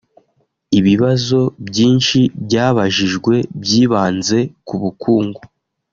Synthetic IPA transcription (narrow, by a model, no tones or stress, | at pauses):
iβiβazo̞bɟiːnʃibɟaːβaʒiʒɡwe̞bjiːβaːnze̞kuβukʰuːŋɡu